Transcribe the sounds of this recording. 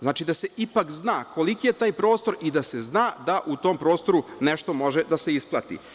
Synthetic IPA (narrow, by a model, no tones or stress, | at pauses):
zaːt͡ʃid̪ase̞ʔipakznaːko̞likije̞t̪aːjpɾo̞ːst̪o̞ɾid̪ase̞znaːd̪aʔut̪o̞ːmpɾo̞ːst̪o̞ɾuneʃt̪o̞mo̞ʒed̪ase̞isplˠa̰t̪ḭ